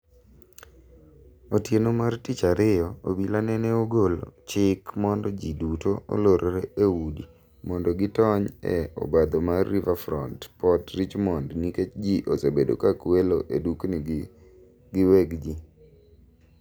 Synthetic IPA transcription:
otjenomartit͡ʃaɾɪjɔobilanɛnɛoɡol̰t͡ʃɪkmɔndɔd͡ʒidutoo̰loɾoɾeeudi | mɔndɔɡɪtɔɲɛ̰o̰bad̪omaːivafɾɔ̰ntpɔtɾit͡ʃmɔndniket͡ʃd͡ʒiʔosebedo̰kakweloʔedukni | ɡɪwɛɡd͡ʒi

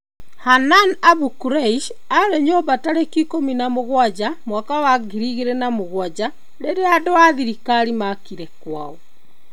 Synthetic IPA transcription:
hananaβukuɾeiʃ | aɾeɲobataɾekikominamoɣwad͡ʑamwakawaɡiɾiɣeɾɛnamoɣwad͡ʑa | ɾeɾeadoaðiɾikaɾimakiɾɛkwa̰ɔ

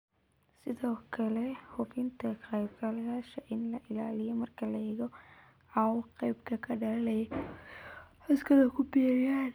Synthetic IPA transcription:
sɪðɔːkʰɐlɛhʊfɪnt̪ʰɐkɐjbɡɐlɐjaːʃɐʔɪnlɐʔɪlaːlɪjɔmɐrkʰɐlɐjɛɣɔ | ʕawqɐjbkʰɐkʰɐɖɐlɐlɐjɔ | ɐskɐðɐkʰʊbɛːɾjan

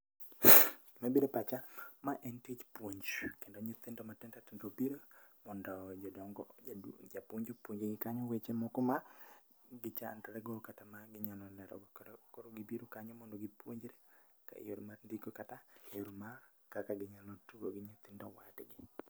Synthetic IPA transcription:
ɡ̥ɪmabiɾopat͡ʃamaʔɛntit͡ʃpwoɲd͡ʒkendoɲɔt̪ɪndɔmatɛntatɛndobiɾo | mɔndɔd͡ʒdɔŋɡɔd͡ʒapoɲd͡ʒopwoɲd͡ʒeɡɪkaɲɔwet͡ʃemokɔma | ɡɪt͡ʃantaɾɛɡɔkatamaɡɪɲalɔnɛɾɔ̰ɡkoɾoɡɪbiɾokaɲɔmɔndɔɡɪpwoɲd͡ʒɾe | ka̰jo̰ɾmaɾndiɡokataoɾma | kakaɡɪɲalɔtuɡoɡɪɲot̪ɪndɔwatɡɪ

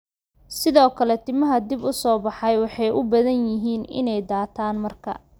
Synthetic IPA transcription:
sɪðɔːkʰɐlɛt̪ʰɪmɐɦɐd̪ɪbʊsɔːbɑħɑjwɑħɑjʔʊbɐðɐnjɪɦiːnɪ̰nɛjd̪aːt̪ʰaːnmɐrkʰɐ̰

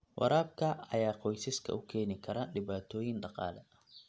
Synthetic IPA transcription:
wʔɑ̰ɾaːb̚kʰɐɐ̰jaːqɔjsɪskʰɐ̰ʊkʰɛːnɪkʰɐɾɐɗɪβaːt̪ʰɔːjɪnɖɑqɑ̰ːlɛ

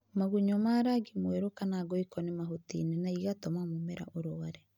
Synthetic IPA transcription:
maɣuɲɔmaːɾaɡimweɾokanaɡɔikɔnemaɦotḭːnɛnaiɣatɔmamomɛɾa̰ʔoɾoaɾɛ

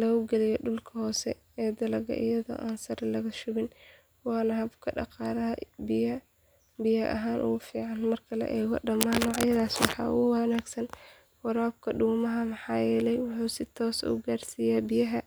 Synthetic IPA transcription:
lɔɣʊɡɛlɪjɛɖʊlkʰɐhɔːsɛ̰ | ɛːd̪ɐlɐɣɐ̰ʔɪ̰jɐðɔ̰ːʔaːnsɐɾlɐɣɐʃʊɣɪn | wɑːnɐɦɐbkʰɐɖɑ̰qɑːɾɐɦɐbɪjɐ | bɪjɐʔɐ̰ɦaːnʔʊ̰ɣʊfiːʕɑnmɐrkʰɐlɐ̰ʔɛːɣɔ̰ɖɐmaːnːɔːʕjɐðaːswɑħɑ̰ːʊ̰ɣʊwɐnaːɡsɐn | wɐɾaːb̚kʰɐɖuːmɐɦɐmɑħɑːjɛːlɛjwʊħuːsɪt̪ʰɔːsʊ̰ɡaːrsijaːbɪjɐɦɐ

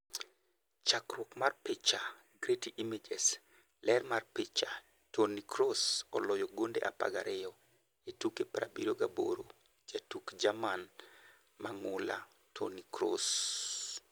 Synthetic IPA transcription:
t͡ʃakrwɔkmarpɪt͡ʃa | ɡɾetiʔimed͡ʒɛs | lɛrmarpɪt͡ʃa | tonikɾosɔlɔjɔɡondḛʔapa̰ɡa̰ɾʔɪjɔ | etukepɾa̰biɾoɡabo̰ɾo | d͡ʒatukd͡ʒaman | maŋʊla | tʰo̰nikɾo̰s

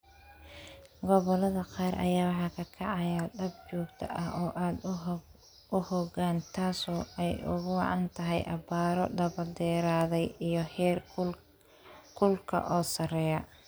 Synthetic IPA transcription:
ɡɔβɔlɐðɐqɑːɾʔɐ̰jaːwɑħɑkʰɐkʰɑʕɑjɐd̪ɐb̚t͡ʃɔːɡt̪ʰɐ̰ʔɐhɔːʔaːd̪ | ʊhɔɡaːnt̪ʰaːsɔːɛjʊ̰ɣʊwɑʕɑnt̪ʰɐɦɛjʔɐ̰baːɾɔ̰ɖɐβɐd̪ɛːɾaːðɛjijɔhɛr | kʰʊlkʰɐ̰ʔɔːsɐrɛːjɐ

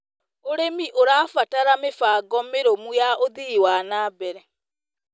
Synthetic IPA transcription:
oɾemiʔoɾaːfataɾamefaːɡɔmeɾomujaʔoðiiwaːnaːbɛɾɛ

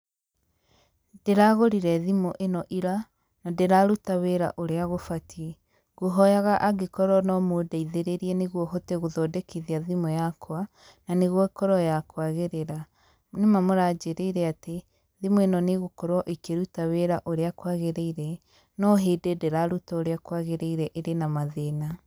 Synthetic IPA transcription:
deɾaɣoɾiɾɛðimoʔenɔʔiɾa | nadeɾaɾutaweɾa̰ʔoɾeaɣofatʰie | ɣoɦɔjaɣaʔaɡekɔɾɔnɔmoːdaiðeɾeɾiɛneɣwɔɦoteɣoðɔdekiðiaðimɔjakwa | naneɣwɔekɔɾɔjakwaɣeɾeɾa | nemamoɾad͡ʒeɾeiɾɛate | ðimoenɔneɣokɔɾwɔʔekeɾutaweɾaʔoɾeakwaɣeɾeiɾɛ | nɔɦeːdedeɾaɾutaoɾeakwaɣeɾeiɾɛʔeɾenamaðeːna

